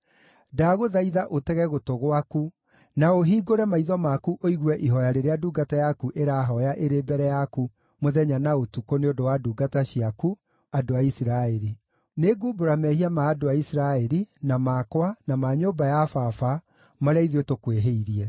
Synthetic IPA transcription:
daɣoðaiðaʔotɛɣɛɣotoɣwaku | naoɦiːɡoɾɛmaiðɔmakuʔoiɣwɛʔiɦɔjaɾeɾeaduːɡatajakuʔeɾaɦɔjaʔeɾeːbɛɾɛjaku | moðɛɲanaotukoneodowaduːɡataɕiaku | adoaisiɾaeɾi | neɡuboɾamɛhiamaːdoaisiɾaɛɾinamaːkwanamaɲoːbajafafa | maɾeaiðiotokweɦeiɾiɛ

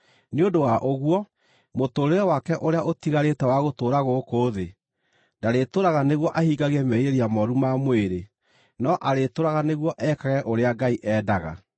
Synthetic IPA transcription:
neodowaʔoɣwɔ | motoɾeɾɔwakɛʔoɾeaotiɣaɾetɛwaɣotoːɾaɣokoðe | daɾetoɾaɣaneɣwɔʔahiːɡaɣɛmeiɾeɾiamɔɾumamweɾe | nɔʔaɾetoɾaɣaneɣwɔʔɛkaɣɛʔoɾeaɡaiʔɛːdaɣa̰

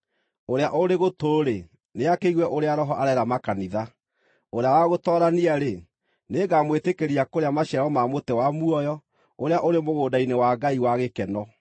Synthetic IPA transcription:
oɾeaʔoɾeɣotoɾe | neakeiɣwɛʔoɾeaɾɔɦɔʔaɾɛɾamakaniða | oɾeawaɣotɔːɾaniaɾe | neɡamwetekeɾiakoɾeamaɕɛɾɔmamotɛwamuɔjɔ | oɾeaʔoɾemoɣoːdainewaɡaiwaɣekɛnɔ

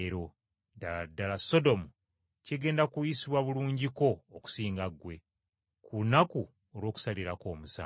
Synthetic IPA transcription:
ɾo | daladːalaso̞do̞mu | ceɡe̞ːndakujisiβwaβuluːɲɟiko̞ːku̥siːŋɡaɡwe̞ | kʰunaku | olwo̞ːku̥saliɾako̞ːmusa̰ː

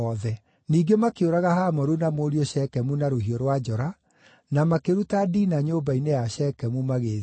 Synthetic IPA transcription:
ɔðɛ | niːɡemakeoɾaɣaɦaːmɔɾunamoːɾiɔʃɛkɛmunaɾoɦiɔɾwad͡ʒɔɾa | namakeɾutadiːnaɲoːbainejaɕɛːkɛmumaɣe

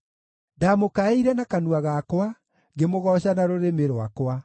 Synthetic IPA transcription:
damokaeiɾɛnakanuaɣakwa | ɡemoɣɔːɕanaɾoɾemeɾowakwa

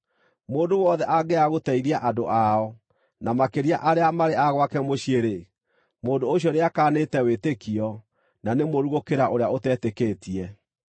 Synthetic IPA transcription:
moːndowɔðɛʔaɡɛaɣotɛiɾiaʔadoʔaɔ | namakeɾiaʔaɾeamaɾeaɣwakɛmoɕjeɾe | moːdoːɕiɔneakaːnetɛwetekiɔ | nanemoɾuɣokeɾaʔoɾeaotɛtekeːtiɛ

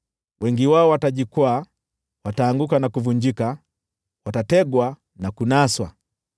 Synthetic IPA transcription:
wʔɛŋɡiwaɔwataɟikwaː | wataːŋɡukanakuvuɲd͡ʒika | watatɛɡwa | nakunaswa̰

